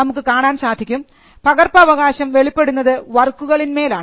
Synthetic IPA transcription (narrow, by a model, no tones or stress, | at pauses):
ɐmukːɨkaːɳaːnɕaːd̪ʱikʲːum | pɐɣɐrpɐːʋɐɣaːɕɐmʋe̞ɭipːe̞ɽunːɐðɨʋɐrkːuɣɐɭinme̞ːlaː